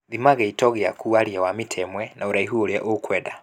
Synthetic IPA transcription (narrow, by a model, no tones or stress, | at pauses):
ðimaɣɛitɔɣea̰kʰuaɾiawamitʰɛmwɛnaoɾaiɦuoɾja̰ʔokwɛda